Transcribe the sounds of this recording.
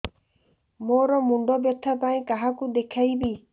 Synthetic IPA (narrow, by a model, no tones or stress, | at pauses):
moɾɔmuɳɖɔbjɔt̪ʰːapaj̃kaɦakud̪ekʰajbi